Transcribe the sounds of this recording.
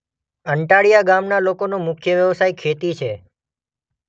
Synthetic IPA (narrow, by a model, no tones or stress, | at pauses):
əɳʈaɭijaɡamnalokonũmʊkʰjəʋjəʋsajkʰet̪it͡ʃʰe